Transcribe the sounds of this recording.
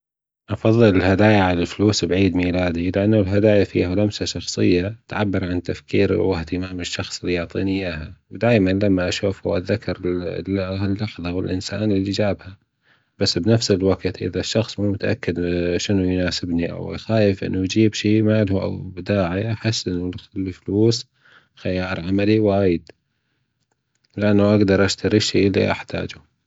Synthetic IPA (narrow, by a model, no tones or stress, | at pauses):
ʔɑfɑðˤːɨlɪlhad̪aːjaʕalalfluːsbʕiːd̪miːlaːd̪ilɪʔanːulɦad̪aːjafḭːhalamsaʃɑxsˤɨ̰jːat̪ʕabːɑɾˤʕant̪afkiːɾwɪht̪ɪmaːmɪʃːɑxsˤɪlijʊʕt̪ˤḭːnɪjaːɦawd̪aːjmanlamːaʔaʃuːfhṵːʔaðːakːɑɾˤlalːɑħðˤɑwɪlʔɪnsa̰ːnɪlːid͡ʒaːbha | b̥asːbnafsɪlwaɡt̪ʔɪ̰ðaʃːɑxsˤmumʊt̪aʔa̰kːɪd̪ʃɪnujnaːsɪbniʔa̰w̰xaːjɪfʔɪ̰nːujd͡ʒiːbʃiːmaːlhuʔa̰wbd̪aːʕiʔaħɪsːʔɪnːʊlfluːs | xajaːɾˤʕamaliwaːjɪd̪ | lɪʔanːaʔaɡd̪ɑɾˤʔaʃt̪aɾiʃiːlːḭʔa̰ħt̪ʰa̰ːd͡ʒʊ